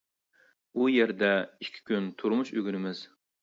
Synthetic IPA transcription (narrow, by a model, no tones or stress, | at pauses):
ujeɾd̪ɛikʲʰːi̥kʲynt̪ʰuɾmuʃøɡʲyɾɪmɪz̥